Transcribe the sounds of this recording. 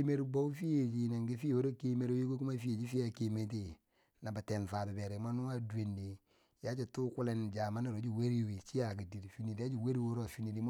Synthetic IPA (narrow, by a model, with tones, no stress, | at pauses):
me˦ɾbo˦u˦fi˦je˨d͡ʒi˨na˨ŋɡi˦fi˦˨o˦ɾo˦ke˦me˨ɾo˦ji˦ko˦ku˦ma˦fi˦e˨d͡ʒi˦fi˦a˨ke˨me˨˦t̬e˨ | na˨ba˨tɛ˨nfa˨ta˨bɛ˨ɾɛ˨˦ma˦nu˦a˦de˨nde˨ | ja˦t͡ʃi˨tu˦ku˦lɛ˨nd͡ʒa˨ma˦na˨ɾo˨˦d͡ʒi˨we˦ɾi˦˨wi˨t͡ʃi˦ja˨k̬i˨di˨ɾfi˦ni˨da˦d͡ʒi˦˨we˦ɾi˦wo˦ɾo˦˨fi˦ni˨di˨˦m˦